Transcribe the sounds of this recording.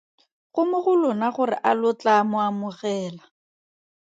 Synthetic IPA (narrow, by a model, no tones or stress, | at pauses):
χʊmʊχʊlʊnaχʊrɪ̰ʔalʊt͡ɬamʊamʊχɛːla